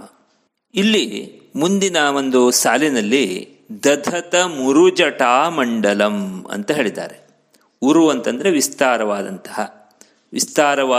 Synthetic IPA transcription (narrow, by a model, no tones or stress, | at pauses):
ilːi | mund̪inɐʋond̪usaːlinɐlːi | d̪ɐd̪ʱɐt̪ɐmuɾud͡ʒɐʈaːmɐɳɖɐlɐmɐ̰nt̪ɐɦeːɭid̪a̰ːɾe | uɾuʋɐnt̪ɐnd̪ɐɾeʋist̪aːɾɐʋaːd̪ɐ̰nt̪ɐ̥ɦɐ | ʋist̪aːɾɐʋaː